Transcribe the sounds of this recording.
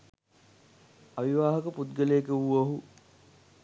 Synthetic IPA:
aʋiʋaːɦəkəput̪ɡəlejːkəuoɦu

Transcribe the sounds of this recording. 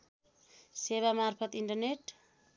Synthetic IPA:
seβamarpʰʌt̪iɳʈʌrneʈ

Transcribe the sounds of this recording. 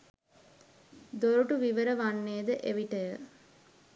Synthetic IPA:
d̪oɾuʈuʋiʋəɾəʋanːeːd̪əʔeʋiʈəjə

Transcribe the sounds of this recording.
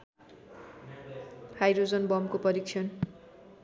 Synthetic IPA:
hajɾod͡zʌnbʌmkopʌɾiksʰʌn

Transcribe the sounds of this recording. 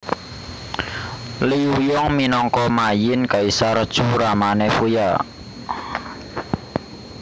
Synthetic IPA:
liujɔŋminɔŋkɔmajɪnkaisaɾəd̥ʒ̥uɾamanefuja

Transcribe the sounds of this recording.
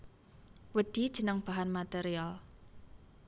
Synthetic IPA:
wəɖ̥id̥ʒ̥ə̤nəŋb̥a̤ɦanmat̪eɾial

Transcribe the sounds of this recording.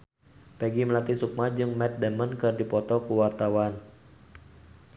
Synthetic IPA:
pɛɡiməlat̪isuk̚mad͡ʒɨŋmɛt̪̚dɛmənkɨrdipɔt̪ɔkuwart̪awan

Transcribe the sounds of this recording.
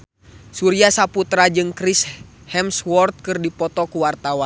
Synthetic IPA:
suɾiasaput̪ɾad͡ʒɨŋkɾishɛmswɔrt̪̚kɨrdipɔt̪ɔkuwart̪awa

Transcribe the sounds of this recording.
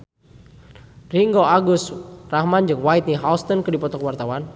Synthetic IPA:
riŋɡoaɡʊsrahmand͡ʒɨŋwait̪̚niɦawlst̪ɔnkɨdipɔt̪ɔkəwart̪awan

